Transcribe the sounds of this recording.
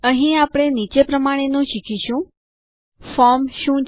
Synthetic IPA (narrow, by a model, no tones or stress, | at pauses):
əɦĩapɽ̃enit͡ʃepɾəmaɽ̃enũʃikʰiʃũ | fɔɾmʃũ